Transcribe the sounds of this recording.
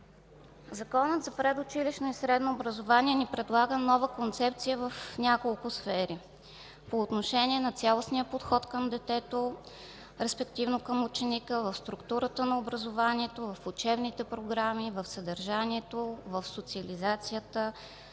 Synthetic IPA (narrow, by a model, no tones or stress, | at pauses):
zɐkɔnət̪zɐpɾɛd̪ʊt͡ʃiliʃnoisɾɛd̪noːbɾəzovaniɛnipɾɛd̪lˠaɡənɔvəkont̪sɛp̚t̪sijəvəfnʲakolˠkʊsfɛɾi | poːt̪noʃɛnʲiɛnɐt̪sʲalˠosniəpot̪xɔt̪kəmd̪ɛt̪ɛt̪o | ɾɛspɛkt̪ivnokəmut͡ʃɛnikəvɐfst̪ɾukt̪uɾət̪ənɐobɾəzovaniɛt̪ovɐfut͡ʃɛbnit̪ɛpɾoɡɾamivəfsəd̪əɾʒaniɛt̪ovəfsot̪siɐlizat̪sijət̪ə